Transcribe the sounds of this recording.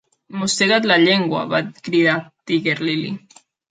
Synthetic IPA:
most̪eɣat̪laʎeŋɡwa̰βat̪kɾiðat̪iɣeɾlili

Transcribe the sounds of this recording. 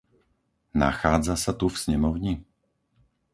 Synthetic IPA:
na̰xaːd͡zasat̪ufsɲɛmɔʊɲi

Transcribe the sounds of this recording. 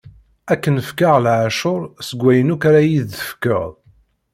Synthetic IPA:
ækːənəfkaʁlʕaʃʊɾˤsəɡʷːæjənukaɾæjiðəfkəʁˤ

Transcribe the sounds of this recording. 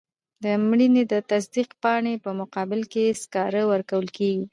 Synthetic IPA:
d̪əmɽined̪ət̪as̬d̪iqpɑɳepəmʊqɑbɪlkeskɑɾəwəɾkawəlkeɡi

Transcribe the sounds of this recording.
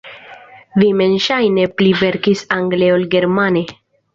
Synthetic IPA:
vime̞nʃajne̞plive̞ɾkisaŋɡleolɡe̞ɾmane̞

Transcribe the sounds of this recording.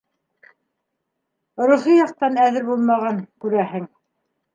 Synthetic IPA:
ɾuχijɑqt̪ɑnæðɘɾbulˠmɑʁɑŋkʉɾæhɘŋ

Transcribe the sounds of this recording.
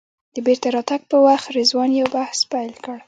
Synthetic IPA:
d̪̥əbeɾt̪aɾɑt̪aɡ̚pəwaxt̪ɾezwɑnjawbahspajlkəɽ

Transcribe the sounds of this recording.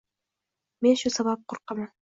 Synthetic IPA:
menʃusaβɑp̚qʊɾqɑmɑn

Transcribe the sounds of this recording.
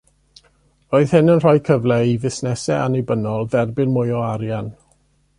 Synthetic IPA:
oːɨð̥hɪnənr̥ɔjkʰəvlɛivɪsnɛsɛanibənɔlˠðɛrbɪnmʊjɔaɾjan

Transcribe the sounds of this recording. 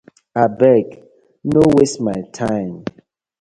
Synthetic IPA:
abɛɡ | nowesmajtʰãɪ̃m

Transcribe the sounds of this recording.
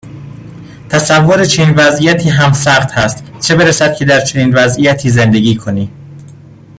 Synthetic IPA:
t̪ʰæsævːoɾet͡ʃʰeniːnvæzʔijæt̪ʰiːɦæmsæχt̪hæst̪t͡ʃʰe̞be̞ɾæsæd̪̚cʰe̞d̪æɾt͡ʃʰe̞niːnvæzʔijæt̪ʰiːze̞nd̪e̞ɡʲiːkʰo̞niː

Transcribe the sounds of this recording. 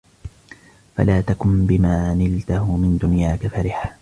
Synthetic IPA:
fa̰laːt̪akʊnbɪmaːnɪlt̪ahʊmɪnd̪ʊnjaːkafaɾɪħa

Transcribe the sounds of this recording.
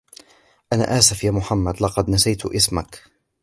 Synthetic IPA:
ʔana̰ːʔaːsafjaːmʊħamːad̪lɑqɑd̪nasajt̪ʊʔɪsmak

